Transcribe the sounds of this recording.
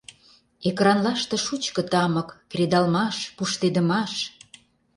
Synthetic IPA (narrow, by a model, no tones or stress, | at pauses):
ekrɑnlɑʃt̪ĕʃut͡ɕkə̆t̪ɑmə̆kːrʲed̪ɑlmɑʃpuʃt̪ed̪ə̆mɑʃ